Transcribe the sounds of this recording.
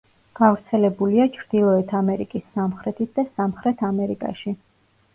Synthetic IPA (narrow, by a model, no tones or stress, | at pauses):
ɡ̥avɾt̪sʰɛlɛbuliat͡ʃʰɾd̪ilˠɔɛt̪ʰamɛɾikʼisːamχɾɛt̪ʰit̪̚ʰd̪asamχɾɛt̪ʰamɛɾikʼa̰ʃi